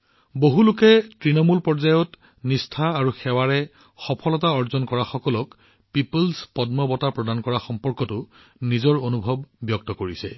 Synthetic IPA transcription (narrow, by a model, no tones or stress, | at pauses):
boɦulʊkɛtɹinɔmulpɔɹzajɔt | nistʰaːɹuxɛwaɹɛ | xɔpʰɔlɔtaɔɹzɔnkɔɹaxɔkɔlɔk | pipulspɔdmɔbɔtapɹɔdankɔɹaxɔmpɔɹkɔtʊ | nizɔɹonubʱɔbːjɔk̚tɔkoɹisɛ